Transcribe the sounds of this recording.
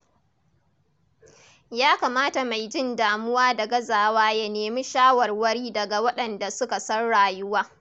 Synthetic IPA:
jaː˦kaː˨maː˦ta˨ma˨jd͡ʒɪ˦ndaː˨mʊ˦waː˦dɐ˨ɡɐ˦zaː˨waː˦ja˨neː˨mi˦ʃaː˦wɐ˨rwɐ˦ɽiː˦dɐ˨ɡa˨wɐ˦ɗɐ˨nda˨sʊ˦ka˨sɐ˦rɽaː˨jʊ˦waː˦

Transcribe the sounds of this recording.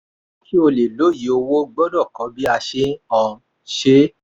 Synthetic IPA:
ki˦o˧le˨lo˨˦˨ji˨˦o˧wo˦ɡ͡bɔ˦dɔ˦˨kɔ̃˨˦bi˦a˧ʃe˦ɔ̃˧ | ʃe˦

